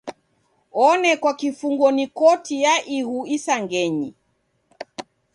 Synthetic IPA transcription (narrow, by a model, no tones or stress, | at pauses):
ɔnɛkwakifuŋɡɔnikɔtijaʔihuisaŋɡɛɲi